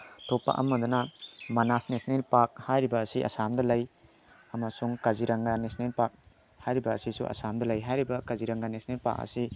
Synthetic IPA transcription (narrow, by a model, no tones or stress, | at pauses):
tʰopːa̰ʔɐ̰mːɐd̪unɐmɐnasnesnelpak̚hajɾibɐːsiʔɐ̰samdɐlɐj | ɐmɐsuŋkaziɾɐŋɡanesnelpak̚ | hajɾibɐːsisṵʔɐ̰samdɐlɐjɦajɾibɐkaziɾɐŋɡanesnelpa̰k̚ɐ̰si